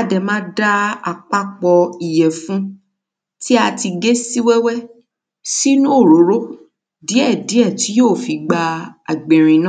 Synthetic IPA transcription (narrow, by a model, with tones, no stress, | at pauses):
a˧dɛ˨mã˦da˦a˨k͡pa˦k͡pɔ˧i˨jɛ˨fũ˦ | ti˦a˧ti˧ɡe˦si˦wɛ˦wɛ˦ | si˦nũ˦o˦˨ɾo˨˦ɾo˦ | di˨˦ɛ˦˨di˨˦ɛ˦˨ti˦joː˦˨fi˨˧ɡ͡ba˧a̰˨ɡ͡bẽ˨ɾ̃ĩ˧nã˦˨